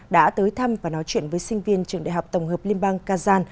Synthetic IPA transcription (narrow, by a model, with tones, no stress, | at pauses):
ɗa̰ː˧˥t̪əː˨˦jt̪ʰa˧mvaː˨˩nɔ˨˦jt͡ɕwḭ˧˨ənvəː˨˦jsï˧ŋ̟vi˧ənt͡ɕɨ˨˩əŋɗa̰ː˧˨jɦa˨˩wk͡p̚t̪ə˨˩wŋ͡mɦəː˨˩p̚li˧ənɓaː˧ŋkaː˧zaː˧n